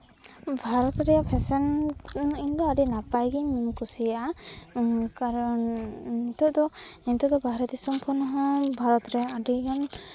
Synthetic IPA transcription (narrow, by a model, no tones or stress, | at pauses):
bʱaɾɔt̪ɾɛpʰɛsɛn | iɲd̪ɔaɖinapajɡimimkusia | kaɾɔnit̪ɔd̪ɔint̪ɔd̪ɔbaɦɾɔt̪isɔmkʰɔnɔɦɔ̃bʱaɾɔt̪ɾɛaɖiɔn